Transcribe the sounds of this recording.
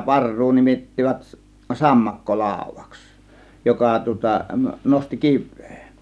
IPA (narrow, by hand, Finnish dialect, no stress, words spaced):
pɑrːuː nimitːiʋæt sɑmːɑkːo lɑˑo̝ʋˑɑ̥ks jokɑ tŭŏtɑ nosti kiʋˑe̥ː